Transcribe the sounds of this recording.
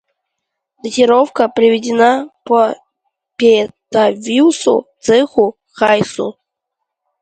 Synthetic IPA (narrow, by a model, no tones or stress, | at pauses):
d̪ətʲɪɾofkəpɾʲɪvʲɪdʲɪnapə | pʲet̪avʲiwsʊ̰t̪sɨxʊ | xajsʊ̰